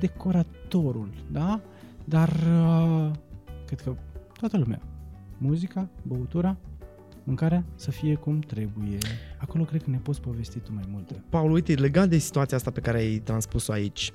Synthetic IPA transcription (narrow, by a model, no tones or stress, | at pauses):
d̪e̞ko̞ɾatt̪o̞ɾuld̪a | d̪arə | kɾed̪kət̪oat̪əlumea̰muzikabəut̪uɾa | mɨŋkaɾeasəfije̞kumt̪ɾe̞buje̞ako̞lo̞kɾe̞d̪̚kəne̞po̞t̪sʲpo̞ve̞st̪it̪umajmult̪epaulujt̪ele̞ɡat̪̚d̪e̞si̥t̪uat̪siaast̪ape̞kaɾeajt̪ɾanspusoait͡ʃʲ